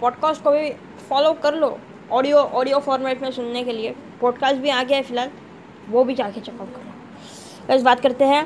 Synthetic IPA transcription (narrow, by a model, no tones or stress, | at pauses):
pɔːɖkaːsʈkoɐbʱibʱi | fɔːlokɐɾlo̰ː | ɔːɖijoʔɔːɖijofɔːɾmɛːʈmẽsʊnnekeliepɔːɖkaːsʈbʱiaːɡeɛfɪlaːl | ʋobʱid͡ʒaːket͡ʃɛkapkɐɾloː | kɐsbaːt̪kɐɾt̪eɦɛ̃